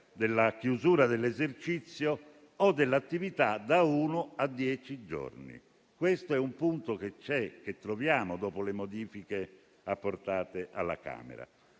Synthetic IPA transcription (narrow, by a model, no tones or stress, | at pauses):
d̪elːakjuzuːɾad̪elːezert͡ʃit̪sːjoː | d̪ːelːat̪ːivit̪ad̪auːnʊad̪ːjɛːt͡ʃid͡ʒo̰rnḭ | kwest̪oɛumpunt̪oket͡ʃːɛk̟et̪ːɾovjaːmod̪ɔːpolemod̪iːfike | apːort̪aːt̪eʔalːa̰ka̰ːmḛɾa̰